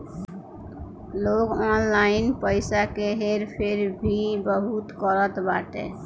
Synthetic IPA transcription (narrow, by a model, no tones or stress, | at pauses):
loɡɔnlaɪnpəɪsakeɦeɾpʰeɾbʱibəɦut̪kəɾət̪baʈḛ